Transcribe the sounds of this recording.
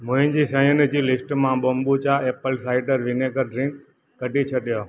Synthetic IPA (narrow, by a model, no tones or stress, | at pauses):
mʊ̃ɪ̃nd͡ʑiːsə̃jənd͡ʑiːlɪsʈmãːɓombut͡ɕaːeːpəlsaːɪʈəɾʋɪnekəɾɖɾĩːn | kəɖʱit͡ʃʰəɗjoː